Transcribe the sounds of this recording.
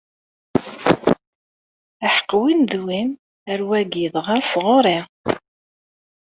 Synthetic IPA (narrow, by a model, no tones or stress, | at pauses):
aħə̥qːwinðwin | əɾwæɡiðʁaɾsʁoɾˤi